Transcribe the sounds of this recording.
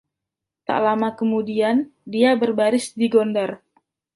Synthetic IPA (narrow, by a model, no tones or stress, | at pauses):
t̪a̰ʔlamakəmudiandiabərbaɾɪsdiɡondar